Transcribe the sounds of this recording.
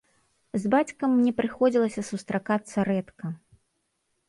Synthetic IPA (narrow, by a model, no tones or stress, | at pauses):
zbat͡sʲkɐmːnʲɛpɾɨxɔd͡zʲilˠɐsʲɐsust̪ɾakat̪sːɐɾɛt̪kɐ